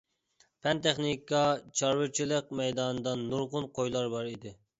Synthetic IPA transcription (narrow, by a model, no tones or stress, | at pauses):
pʰɛnt̪ʰɛχnikɑt͡ʃʰɑɾwɪɾt͡ʃʰilˠɨq̚mɛjd̪ɑnɨd̪ɑnːuɾʁʊnqʰojlˠɑɾbɑɾid̪ɪ